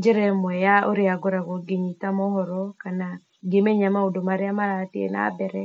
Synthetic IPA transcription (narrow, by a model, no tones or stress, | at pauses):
d͡ʒɛɾɛmwɛjao̰ɾeaɡoɾaɣɔɡeɲitamɔhɔɾɔkana | ɡemeɲamaodomaɾeamaɾatiḛna̰bɛɾɛ